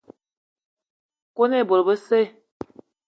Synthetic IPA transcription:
ko˦ne˦˨bo˨ɾbə˦se˦˨

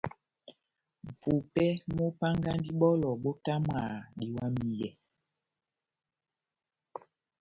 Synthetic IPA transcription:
m̩˨pu˨pɛ˦mo˦pa˦ŋɡa˦n˦di˦ɓɔ˦lɔ˨ɓo˦ta˦m˨aː˨ɗi˨wa˦mi˨jɛ˨

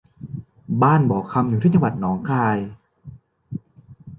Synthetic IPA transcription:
baː˥˩nbɔː˨˩kʰa˧mjuː˨˦iː˥˩t͡ɕa˧wa˨˩t̪̚nɔː˩˦ŋkʰaː˧j

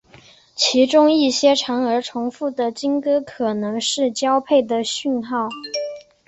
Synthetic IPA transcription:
t͡ɕʰi˧˥ʈ͡ʂʊ˥ŋi˥˩ɕjɛ˥ʈ͡ʂʰɑ˧˥ŋə˞˧˥ʈ͡ʂʰʊ˧˥ŋfu˥˩d̪ə˩t͡ɕi˥ŋkɤ˥kʰɤ˨˩nɤ˧˥ŋʂɻ̩˥˩t͡ɕjɑ˥ʊpʰe˥˩ɪd̪ə˩ɕy˥˧nxɑ˥˩ʊ

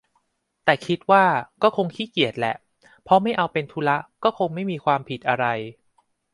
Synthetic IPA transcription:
t̪ɛː˨˩kʰi˦˥t̪̚waː˥˩kɔː˥˩kʰo˧ŋkʰiː˦˥˩ki˨˩ət̪̚lɛ̰˨˩ʔ | pʰɾɔ˦˥ma˥˩jʔa˧wpe˧nt̪ʰu˦˥la˦˥kɔː˥˩kʰo˧ŋma˥˩jmiː˧kʰwaː˧mpʰi˨˩t̪̚ʔa˧ɾa˧j

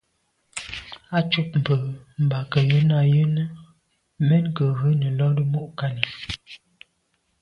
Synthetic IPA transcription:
a˦t͡ʃu˦p̚m̩˨pə˨m̩˨ba˨kə˨jə˦na˨jə˦nə˦ | mɛ˦nkə˨ɣə˦nə˨lɔ˦də˦mu˦ʔka˦nə˨

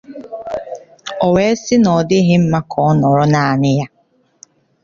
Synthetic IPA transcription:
ɔ˨we˦sɪ˦nɔ˨dɪ˦ɦɪ˦m̩˦ma˦kʰɔ˦ɔ˦nɔ˨ɾɔ˦na˨a˨nɪ˦ja˦

